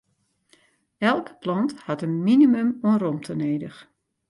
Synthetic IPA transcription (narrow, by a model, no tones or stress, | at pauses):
ɛlˠkə̥plɔnthatənminimymuənromtʰəneːdəx